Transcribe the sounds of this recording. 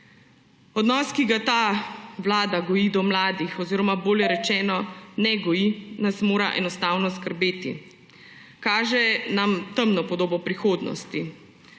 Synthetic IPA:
ɔd̪nɔːskiɡat̪aːwlaːd̪aɡɔjid̪ɔmlaːd̪ixɔziːɾɔmaboːljɛɾɛt͡ʃɛːnɔnɛɡɔjinasmoːɾaʔɛ̰nɔst̪aːwnɔskəɾbeːt̪ḭ | kaːʒɛnamt̪əmnɔpɔd̪oːbɔpɾixoːd̪nɔ̰st̪i

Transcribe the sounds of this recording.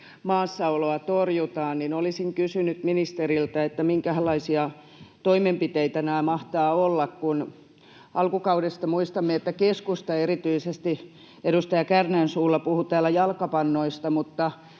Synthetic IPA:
mɑːsːɑoloɑt̪orjut̪ɑːnninolisiŋkysynyt̪minist̪erilt̪æet̪ːæmiŋkæhlːˑɑisiɑ | t̪oimempit̪eit̪ænæːmɑht̪ɑːolːɑkkun | ʔɑlkukɑudest̪ɑmuist̪ɑmːeet̪ːækeskust̪ɑeɾit̪yisest̪i | eɾust̪ɑjɑkærnæːnsuːlːɑpuhut̪æːlæjɑlkɑpɑnːoist̪ɑmut̪ːɑ

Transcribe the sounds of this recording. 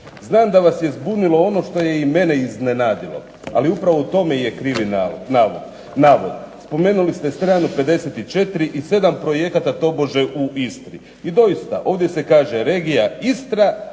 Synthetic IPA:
znaːmd̪aʋasjezbunilo̞o̞no̞ʃt̪o̞je̞ime̞ne̞iznenaːd̪ilo̞̰ | a̰liupɾaʋo̞ut̪o̞meje̞kɾiːʋinaːʋod̪̥ | naːʋo̞d̪spo̞me̞ːnulist̪est̪ɾaːnuped̪e̞set̪it͡ʃe̞t̪ɾiʔise̞d̪ampɾo̞jekat̪at̪o̞bo̞ʒe̞ʔuist̪ɾi | id̪o̞jist̪aʔo̞ːʋd̪je̞se̞kaːʒe̞ɾe̞ːɡijaist̪ɾa

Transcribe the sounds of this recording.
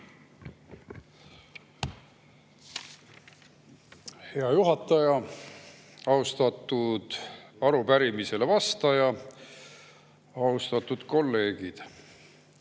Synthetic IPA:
he̞ɑjuɦɑt̪ːˑɑjɑ | ɑust̪ɑt̪ːˑud̪̥ɑɾupæɾimise̞le̞vɑst̪ɑjɑ | ɑust̪ɑt̪ːˑud̪̥ko̞lːe̞ːɡ̥id̪̥

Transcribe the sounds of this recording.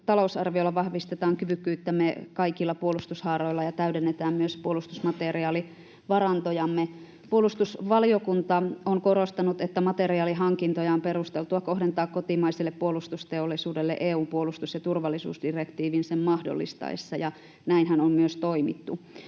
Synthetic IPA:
t̪ɑlousɑrʋiolːɑʋɑhʋist̪et̪ɑːŋkyʋykːyːt̪ːæmekɑikilːɑpuolust̪ushɑːroilːɑjɑt̪æydenːet̪æːmmyøspuolust̪usmɑt̪eriɑːli | ʋɑrɑnt̪ojɑmːe | puolust̪usʋɑlijokunt̪ɑoŋkorost̪ɑnut̪et̪ːæmɑt̪eriɑːliɦɑŋkint̪ojɑomperust̪elt̪uɑkohdent̪ɑːkkot̪imɑiselːeppuolust̪ust̪eolːisuːdelːḛʔeːuːmpuolust̪usjɑt̪urʋɑlːisṵːsdirekt̪iːʋinsemmɑhdo̰lːḭst̪ɑ̰isːɑjɑ | næinhænommyøst̪oimḭt̪ːu

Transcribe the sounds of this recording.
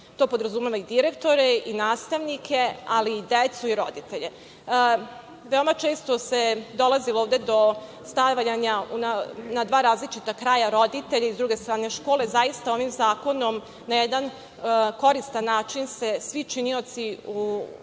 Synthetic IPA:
t̪o̞ːpod̪ɾazumeʋaid̪iɾekt̪o̞ɾeinaːst̪aʋnikʰe̞aliːd̪et̪suiɾo̞̰d̪it̪eʎe | ʋe̞o̞mat͡ʃeːst̪o̞se̞d̪o̞laziloːʋd̪e̞d̪o̞ | st̪aʋʎaɲaunanad̪ʋaːɾaːzlit͡ʃit̪akɾaːjaɾo̞d̪it̪eʎaizd̪ɾuːɡe̞st̪ɾaːne̞ʃko̞ːle̞zajist̪ao̞ʋimzaːko̞no̞m | najɛd̪an | ko̞ɾist̪anːaːt͡ʃinsesʋit͡ʃinio̞t̪siu

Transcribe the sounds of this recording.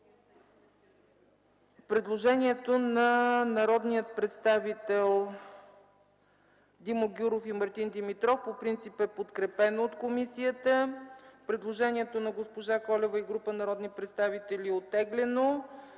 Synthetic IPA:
pɾɛd̪lˠoʒɛniɛt̪onɐnɐɾɔd̪nijət̪̚pɾɛt̪st̪avit̪ɛlˠ | d̪imoɡʲuɾofimɐɾt̪ind̪imit̪ɾɔfpopɾint̪sipɛpot̪kɾɛpɛnoːt̪komisiət̪əpɾɛd̪lˠoʒɛniɛt̪onɐɡospoʒakɔlɛvəiɡɾupənɐɾɔd̪nipɾɛt̪st̪avit̪ɛlʲiɛot̪ːɛɡlɛno

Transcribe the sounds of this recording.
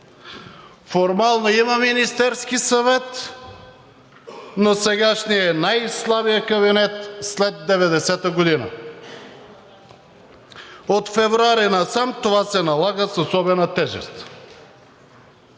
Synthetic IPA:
foɾmalˠnoimaminist̪ɛɾskisavɛt̪ | nosɛɡaʃnijɛnajslˠabijəkɐβinɛt̪slɛd̪ːɛvɛd̪ɛsɛt̪aɡod̪ina̰ | ot̪fɛvɾoaɾinasamt̪ovasɛnalˠaɡəsosɔbɛnat̪ɛʒɛ̰st̪

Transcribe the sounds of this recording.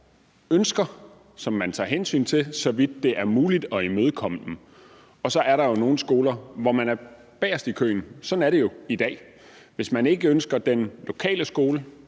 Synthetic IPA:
ønsɡ̥ɐ | sɒ̽mːænt͡sʰɑ̰̈ːɦensy̰ːnt͡sʰe̝lsɒ̽ʋid̥̚ːe̝ʔæɐmuːlid̥ɒ̽imøð̞ˠkʰɒ̽m̰əd̥m̩ | ɒ̽sɒ̽ʔæɐɾɑ̈jo̝no̝ːn̩sɡ̥o̝ːlɐʋɒmænæɐ | b̥ɛːɐsd̥ikʰø̰ːn̩sɒ̽n̩æɐɾe̝jo̝id̥ɛ̰ː | ʋe̝smæne̝ɡ̥əønsɡ̥ɐd̥enlo̝kʰɛ̰ːləsɡ̥o̝ːlə

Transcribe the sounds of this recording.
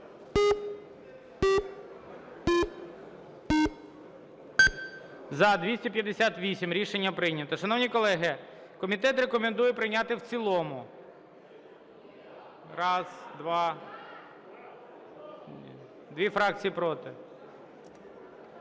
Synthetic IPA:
zɐd̪ʋʲisʲtʲɛpʲjɐd̪ːesʲat̪ʋʲisʲimɾʲiʃenʲːɐpɾɪjnʲɐt̪ɔʃɐnɔwnʲikɔlˠɛɦɪ | kɔmʲit̪ɛt̪ɾekɔmend̪ujɛpɾɪnʲat̪ɪwt͡sʲilˠɔmʊ | ɾɑzd̪ʋɑ | d̪ʋʲifɾɑk̚t͡sʲijipɾɔt̪ɪ

